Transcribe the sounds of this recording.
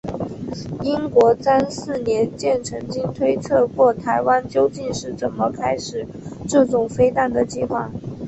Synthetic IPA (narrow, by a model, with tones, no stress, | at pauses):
i˥nkwɔ˧˥sa˥nsɹ̩˥˩njɛ˧˥nt͡ɕjɛ˥˩nʈ͡ʂʰɤ˧˥ŋt͡ɕi˥ŋt̪ʰwe˥ɪt͡sʰɤ˥˧kwɔ˥˩t̪ʰa˧˥ɪwa˥nt͡ɕjo˥˧ʊt͡ɕi˥˧nʂɻ̩˥˩t͡sə˨˩nmə˦kʰa˥ɪʂɻ̩˨˩˦ | ʈ͡ʂɤ˥˩ʈ͡ʂʊ˨˩ŋfe˥ɪt̪a˥˩nd̪ə˩t͡ɕi˥˧xwa̰˥˩